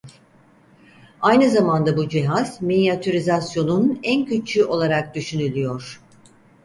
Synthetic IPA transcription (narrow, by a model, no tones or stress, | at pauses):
ajnɯzamand̪abud͡ʒiɦaz̥minijat̪ʰyɾizasjo̞nunæncʰyt͡ʃʰyʔo̞lˠaɾak̚d̪yʃynylʲijo̞ɾ̝̥